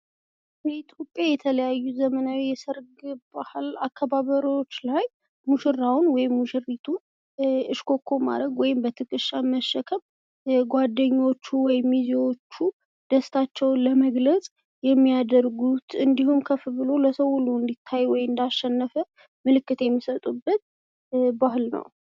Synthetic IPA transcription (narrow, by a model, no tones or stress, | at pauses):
b̥əit̪ʰjo̞pʼjajɛt̪ʰələjajːuzəmənawijɛsəɾɡbahalakʰːaβaβəɾio̞t͡ʃːlaj | muʃɨrawnwɔjɪmːuʃɨrːit̪ʰun | ɨʃkʰo̞kʰːo̞ma̰ɾɾəɡwɔjɪmbət̪ʰɨkʼɨʃːaməʃːɛkʰəm | ɡʷad̪ːəɲːwo̞t͡ʃːuwɔjɪmːiziwot͡ʃːu | d̪̥əst̪ʰat͡ʃːɛwnləməɡlət͡sʼ | jɛmːijad̪əɾɡut̪ʰɨnd̪ihumkʰəfɨbɨlo̞ləsəwʊluɨnd̪it̪ʰːajwɔjɨnd̪aʃːɛnːəfə | mɨlɨkːɨt̪jɛmːisət̪ʼubːət̪̚ | bahlnə̰w